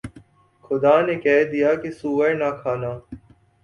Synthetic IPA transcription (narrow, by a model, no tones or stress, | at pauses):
xʊd̪aːneːkɛːɦd̪ijaːkisuːʋənaːkʰaːnaː